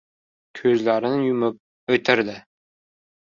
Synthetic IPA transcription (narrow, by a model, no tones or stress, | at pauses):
kʲʰɵzlæɾɪnɪjʊmʊp̚ | ɵt̪ʰɪɾd̪ɪ